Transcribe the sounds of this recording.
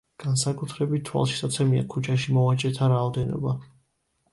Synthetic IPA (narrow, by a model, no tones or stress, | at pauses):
ɡ̥ansakʼut̪ʰɾɛbit̪̚t̪ʰːwa̰lˠʃi̥sat̪sʰɛmia̰kʰut͡ʃʰaʃimɔvat͡ʃʼɛt̪ʰaɾaɔd̪ɛnɔ̰ba